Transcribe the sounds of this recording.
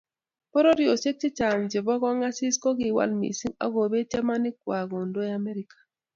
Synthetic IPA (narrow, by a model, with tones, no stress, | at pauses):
po˦ɾo˦ɾi˨o˨se˦k̚t͡ʃɪ˦t͡ʃa˨m˨d͡ʒɪ˨bɔ˦ɣɔ˦ŋa˦sɪ˦skɔ˦ɡɪ˨wa̰˦lmḭ˨si˦ŋa̰˦ɡo˨be˦t͡ʃe˦ma˦nɪ˦kwa˨ɡo˨ndo˦ja˦mɛ˦ɾi˦kḁ˨